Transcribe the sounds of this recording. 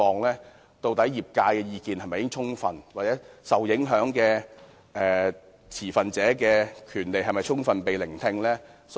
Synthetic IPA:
ɔː˨˧ŋlɛː˥ | t̪o˧wt̪ɐ˨˥jiː˨p̚kaː˧jkɛː˧jiː˧kiː˨˧nhɐ˨jmɐ˨jɪ˥ŋt͡ʃʰʊ˥ŋfɐ˨nwaː˨t͡sɛː˨˥sɐ˨wjɪ˨˥ŋɦœː˨˥ŋkɛː˧ | ʔɛː˨ | t͡sʰiː˨˩fɐ˨nt͡sɛː˨˥kɛː˧kʰyː˨˩nle˨jɦɐ˨jmɐ˨jt͡ʃʰʊ˥ŋfɐ˨npe˨jlɪ˨˩ŋt̪ʰɪ˧ŋlɛː˥s

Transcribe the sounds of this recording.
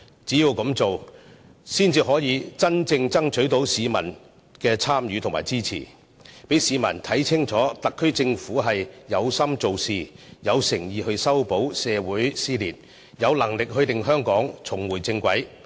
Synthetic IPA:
t͡siː˨˥jiː˨˧wkɐ˨˥mt͡so˨w | siː˥nt͡siː˧ɦɔː˨˥jiː˨˧t͡sɐ˥nt͡sɪ˧ŋt͡sɐ˥ŋt͡ʃʰɵ˨˥t̪o˨˥wsiː˨˧mɐ̰˨˩n | kɛː˧t͡sʰaː˥mjyː˧t̪ʰʊ˨ŋma̰ː˨˩jt͡siː˥t͡sʰḭː˨˩ | pe˨˥jsiː˨˧mɐ˨˩nt̪ʰɐ˨˥jt͡sʰɪ˥ŋt͡sɔː˨˥t̪ɐ˨kʰːɵ˥ɥt͡sɪ˧ŋfuː˨˥ɦɐ˨jːɐ˨˧wsɐ˥mt͡so˨wsiː˨jɐ˨˧wsɪ˨˩ŋjiː˨˧hɵ˧ɥsɐ˥wpo˨˥wsɛː˨˧wuː˨˥jsiː˥liː˨˩t̚ | jɐ˨˧wlɐ˨˩ŋlɪ˨k̚ɦɵ˧ɥt̪ɪ˨ŋɦœː˥ŋkɔː˨˥ŋt͡sʰʊ˨˩ŋwuː˨˩jt͡sɪ˧ŋkʷɐ˨˥j

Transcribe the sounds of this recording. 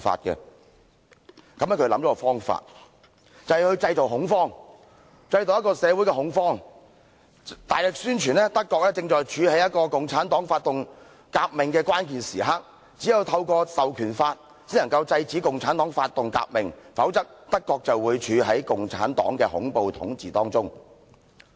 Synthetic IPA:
fa̰ː˧t̚kɛ̰˧ | kɐ˨˥mɛ˥kʰɵ˧lɐ̰˨˥mt͡sɔː˨˦˥ɔ˧fɔː˥ŋfa̰ː˧t̚ | t͡sɐ˨whɛ˨˩hɵ˧ɥt͡sɐ˧jt͡so˨wɦʊ˨˥ŋfɔː˥ŋ | t͡sɐ˧jt̪o˨wjɐ˥tkːɔː˧sɛː˨˧wuː˨˥jkɛ˧ɦʊ˨˥ŋfɔː˥ŋ | t̪aː˨jlɪ˨k̚syː˥nt͡ʃʰyː˨˩nɛː˥t̪ɐ˥kːɔː˧k̚lɛː˥t͡sɪ˧ŋt͡ʃɔː˨˩jt͡ʃʰyː˨˧hɐ˨˥jɐ˥t̚kɔː˧kʊ˨ŋt͡sʰaː˨˥nt̪ɔː˨˥ŋfaː˧t̚t̪ʊ˨ŋ | kaː˧k̚mɪ˨ŋkɛː˧kwaː˥nk̬iː˨˩nsiː˨˩ɦɐ˥k̚ | t͡siː˨˥ji˨˧wt̪ʰɐ˧wkɔː˧sɐ˨wkʰyː˨˩nfaː˧t̚ | t͡si˨˥nɐ˨˩ŋkɐ˧wt͡sɐ˧jt͡siː˨˥kʊ˨ŋt͡sʰaː˨˥nt̪ɔː˨˥ŋfaː˧t̚t̪ːʊ˨ŋka̰ː˧k̚mɪ˨ŋfɐ˨˥wt͡sɐ˥k̚t̪ɐ˥kːɔː˧k̚t͡sɐ˨wwuː˨˧jt͡ʃʰyː˨˧ɦɐ˨˥jkʊ˨ŋt͡sʰa̰ː˨˥nt̪ɔ̰ː˨˥ŋkɛː˧hʊ̰˨˥ŋpo˨wt̪ʰʊ̰˨˥ŋt͡siː˨˩t̪ɔː˥ŋt͡sʊ˥ŋ

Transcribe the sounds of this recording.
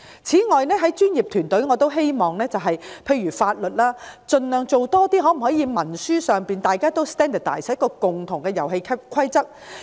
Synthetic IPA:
t͡sʰiː˨˥ŋɔː˨˧jnɛː˥ɦɐ˨˥jt͡ʃyː˥nji˨p̚t̪ʰyː˨˩nt̪ɵ˨˥ŋɔː˨˧t̪o˥wɦe˥jmɔː˨ŋnɛː˥t͡sɐ˨wɦɐ˨jpʰe˧jɥyː˨˩faː˧t̚lɵ˨t̚laː˥t͡sɵ˨nlœː˨ŋt͡so˨wt̪ɔː˥t̪iː˥ɦɔː˨˥m̩˨˩hɔː˨˥jiː˨˧mɐ˨˩nsyː˥sœː˨ŋpiː˨nt̪aː˨jkaː˥t̪o˥wst̪ɛː˥nd̪ə˨˩t̪aː˨jskːɔː˧kʊ˨ŋt̪ʰʊ˨˩ŋkɛː˧jɐ˨˩wɦe˧jkʰɐ˥p̚kʰɐ˥jt͡sɐ˥k̚

